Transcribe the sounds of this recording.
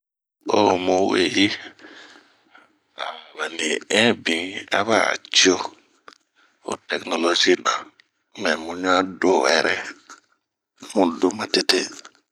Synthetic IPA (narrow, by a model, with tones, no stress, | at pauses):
o˦mu˦we˨ji˦ | a˨ma˨ni˨ɛ̃˦bĩ˨a̰˦βa˦a̰˨t͡ʃi˦o˦ | o̰˨te˨kno˨lo˨d͡ʒi˦na˨ | mɛ˨mu˨ɲa˦do˦˨wɛ̰˨ɾʔɛ˦ | mu˨du˦ma˨te˦te˦